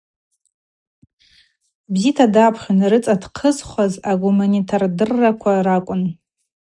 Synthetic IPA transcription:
bzitʰadapʰχʲanrɨt͡sʼadqʰəzχʷazaɡumanitʰardɨrːakʷʰaɾakʷʼʊn

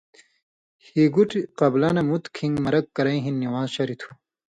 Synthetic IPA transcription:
hiɡuʈiqɐblaːnɐmut̪kʰĩŋɡmɐɾɐkːɐɾɐĩɦinːiwaːzɕɐɾit̪ʰu̥

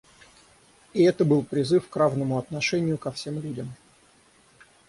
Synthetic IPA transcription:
iɪɛt̪əbɨlˠpɾʲɪzɨfkravnəmʊɐt̪nɐʂɛnʲɪjʊkɐfsʲe̞mlʲudʲəm

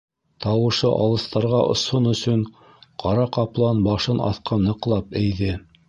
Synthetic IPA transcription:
t̪ɑwɤ̆ʃɤʔɑ̰lˠɤ̆st̪ɑɾʁɑʔŏ̰sonɵ̆sɵɴ | qʰɑɾɑqɑplˠɑnbɑʃɤnɑ̰θqɑnːɤ̆qlˠɑpæjðɘ

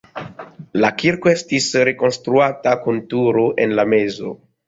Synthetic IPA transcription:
lakiɾko̞e̞stisɾe̞ko̞nstɾuatakuntuɾoʔe̞nlame̞zo̞̰

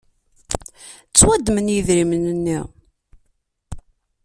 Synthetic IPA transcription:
t͡sːwæd̪ːmənjəðɾimənənːiʁ

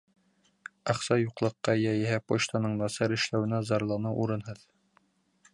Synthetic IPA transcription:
ɑχsɑjuqlˠɤ̆qːɑjæjɘ̆hæpoɕt̪ɑnɤɴnɑsɑɾɘ̆ʃlæwɘ̆næzɑɾlˠɑnɑʔuɾɤnɦɤð

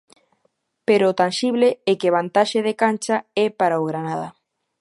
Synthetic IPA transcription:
peɾot̪anʃiβleɛkeβant̪aʃeð̞ekant͡ʃaɛpaɾaoɣɾanaðɐ

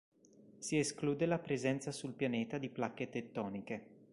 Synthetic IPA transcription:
sieskluːd̪elapɾezɛnt̪sasulpjaneːt̪ad̪iplakːet̪et̪ːɔːnike

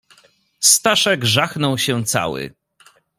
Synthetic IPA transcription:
st̪aʂɛɡʐaxnɔwɕɛ̃t̪sa̰wɘ̰

